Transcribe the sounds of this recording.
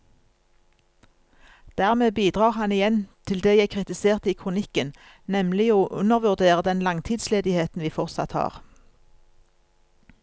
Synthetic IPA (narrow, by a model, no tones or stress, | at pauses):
d̪̥æːʁmeːbiːd̪ʁɑːʁhɑnɪjɛnt̪ʰɪld̪eːjæɪkʰʁɪt̪ɪseːʁt̪iːkʰʁʊnɪkən | nɛmlɪoːʔʉnəʁʋʉʁd̪eːʁəd̪ɛnlɑŋt̪ʰiːd̪sleːd̪ɪheːt̪n̩ʋiːfɔʁt̪sɑ̰t̪hɑ̰ːʁ